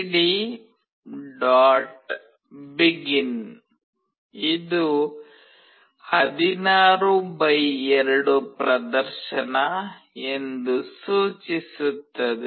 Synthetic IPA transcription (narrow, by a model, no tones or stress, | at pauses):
ɽi | ɖaːʈ | biɡin | id̪u | hɐd̪inaːɾubɐjɛɾɐɽupɾɐd̪ɐɾʃɐnɐ | e̞nd̪usuːt͡ʃisut̪ːɐd̪ɛ